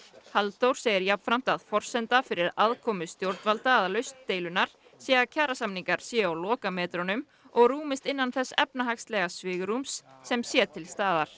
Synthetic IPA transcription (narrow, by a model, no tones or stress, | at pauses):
halt̪owɾ̥seːjɪɾjapfɾam̥t̪aðfɔr̥sɛnt̪afɪɾɪɾaðkʰɔːmʏst̪jowɾt̪nvalt̪aːðalœɥst̪ːejlʏnːaɾ̥ | sjɛːɣacʰaːɾasamniŋkaɾ̥sjɛawlɔːkamɛːt̪ɾɔnʏm | ɔɣruːmɪst̪ɪnːanθɛsːɛ̰pnaɦakst̪lɛɣasvɪːɣɾumsːɛmsjɛt̪ʰɪlst̪aːðaɾ̥